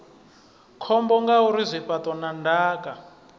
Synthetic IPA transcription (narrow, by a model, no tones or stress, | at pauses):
kʰɔmbɔŋɡauɾizʷipatɔnandaːka